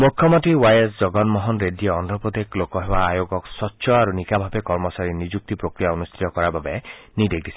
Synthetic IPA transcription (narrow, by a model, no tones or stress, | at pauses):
mukʰːjɔmɔt̪iwajesd͡ʒɔɡɔnmɔɦɔnɾedieɔnd̪ʱɔpɔd̪eklokɔɦebaajoɡɔksɔtːʃʰɔaɾunikabʱabekɔɾmɔsaɾinid͡ʒuk̚t̪ipɾokɾijaunust̪ʰɾijɔkɔɾababeniɖek̚d̪isʰi̥